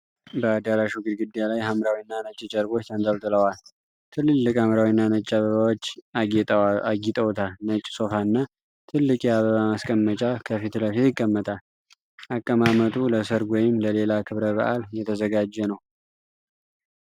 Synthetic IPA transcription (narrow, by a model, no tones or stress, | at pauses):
bəːd̪aɾaʃuɡɨd̪ɡɨd̪jalajɦamɾawinːanət͡ʃʼːɪt͡ʃʼəɾbo̞t͡ʃːant̪ʼəlt̪ʼɨləwal | t̪ʰɨlːɨlːɨkʼhamɾawinːanət͡ʃʼːaβəβawot͡ʃː | aɡit̪ʼəwt̪ʰanət͡ʃʼːso̞faɨnːa | t̪ʰɨlːɨkʼjɛaβəβamaskʼəmːət͡ʃʼakʰəfit̪ləfijɪkʼːəmːət̪ʼal | ʔakʼːəmamət̪ʰuləsəɾɡwɔjɪmləle̞lakʰɨβɾəβə̰ʔa̰ljɛt̪ʰəzəɡad͡ʒːɛnəw